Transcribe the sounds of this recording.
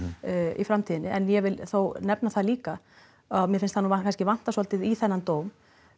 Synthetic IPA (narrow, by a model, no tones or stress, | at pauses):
ḭfɾamt̪ʰiːðɪnːɪʔɛnjɛvɪlθownɛpnaθaðliːka | amjɛfɪnst̪hanuːakʰanscɪvan̥t̪asɔlt̪ɪðiθɛnːant̪oːwm